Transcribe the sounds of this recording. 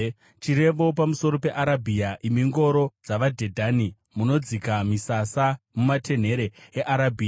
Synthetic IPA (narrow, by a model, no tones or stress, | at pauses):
t͡ʃiɾe̞ʋo̞pamuso̞ɾo̞pe̞ʔaɾabʱiaʔimiŋɡo̞ɾo̞d͡zaʋad͡ʒʱe̞dʱani | muno̞d͡zikamisasamumatʰe̞n̤e̞ɾe̞eʔaɾabʱiːa